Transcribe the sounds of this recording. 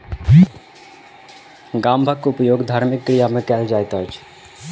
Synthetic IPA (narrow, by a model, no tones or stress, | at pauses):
ɡambʱəkːupjoːɡd̪ʱaːɾmikːɾijamekɛld͡ʒajt̪ət͡ʃʰ